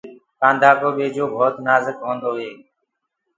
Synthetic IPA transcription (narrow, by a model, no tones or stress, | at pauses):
kãːnd̪ʱaːkoːɓeːd͡ʒoːbʱoːt̪naːzəkɦõːnd̪oːɦeː